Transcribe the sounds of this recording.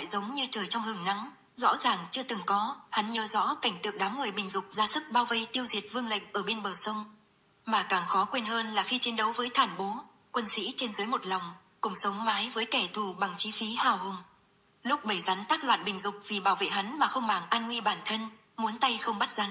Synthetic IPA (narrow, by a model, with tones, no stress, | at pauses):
a̰˧˨jzə˨˦wŋ͡mɲɨ˧t͡ɕəː˨˩jt͡ɕɔ˧wŋ͡mhɨ˨˩ŋna˨˦ŋ | zɔ̰˧˥zaː˨˩ŋt͡ɕɨ˧ət̪ɨ˨˩ŋkɔ˨˦ha˨˦nɲəː˨˦zɔ̰˧˥ka˧˩jŋ̟t̪ɨ̰˨ək̚ɗaː˨˦mŋɨ˨˩əjɓï˨˩ŋ̟zʊ˨˩k͡p̚zaː˧sɨ˦˥k̚ɓaː˧wvə˧jt̪i˧əwzi˨˩ət̚vɨ˧əŋlə̰˧˨jŋ̟ʔəː˧˩ɓe˧nɓəː˨˩sə˧wŋ͡m | maː˨˩kaː˧˩ŋxɔ˨˦kwe˧nɦəː˧nlaː˨˩xi˧t͡ɕi˨˦ənɗə˨˦wvəː˨˦jt̪ʰaː˧˩nɓo˨˦ | kwə˧nsḭ˧˥t͡ɕe˧nzəː˨˦jmo˨˩t̚la˨˩wŋ͡m | kʊ˨˧˩ŋ͡msə˨˦wŋ͡mmaː˨˦jvəː˨˦jkɛ˧˩t̪ʰu˧˩ɓa˨˩ŋt͡ɕi˨˦fi˨˦haː˨˩whə˨˩ŋ͡m | lʊ˦˥k͡p̚ɓə˧˩jza˨˦nt̪aː˦˥k̚lwa̰ː˧˨nɓï˨˩ŋ̟zʊ˨˩k͡p̚vi˨˩ɓaː˧˩wvḛ˧˨ɦa˨˦nmaː˨˩xə˧wŋ͡mɓaː˧˩ŋʔaː˧nŋwi˧ɓaː˧˩nt̪ʰə˧n | mu˨˦ənt̪a˧jxə˧wŋ͡mɓa˦˥t̚z̥a˨˦n